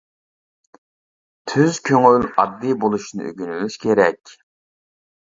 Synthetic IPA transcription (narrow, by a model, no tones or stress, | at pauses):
t̪ʰyzkʲʰøŋyllɑd̪ːɨbolˠuʃinɨ̰ʔø̰ɡʲynylyʃkʲʰeɾɛkʲ